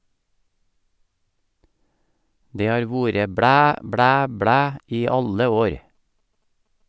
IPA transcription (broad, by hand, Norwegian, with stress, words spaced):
ˈdeː ˈhɑːɾ ˈʋuːɾə ˈbɽæː ˈbɽæː ˈbɽæː ˈiː ˈɑlə ˈoːɾ